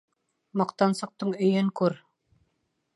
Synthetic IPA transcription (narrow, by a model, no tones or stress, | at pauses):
mɑqt̪ɑnsɤ̆q̚t̪ɤɴɵ̆jɵŋkʉɾ